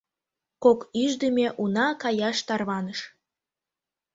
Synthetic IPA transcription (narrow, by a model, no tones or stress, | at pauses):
kokyʒd̪əmʲeʔunɑkɑjɑʃt̪ɑrβɑnəʃ